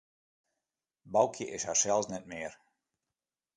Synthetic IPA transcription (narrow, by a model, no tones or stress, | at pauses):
bawkʰʲiʔeʃaʃɛlˠsnɛt̪̚miːɾ